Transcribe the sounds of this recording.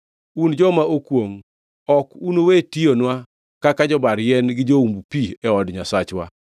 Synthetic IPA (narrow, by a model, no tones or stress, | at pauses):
und͡ʒɔmaʔokwoŋ | ɔkunowetionwa | kakad͡ʒɔbaɾjɛnɡɪd͡ʒoumbupiɛɔdɲasat͡ʃwa̰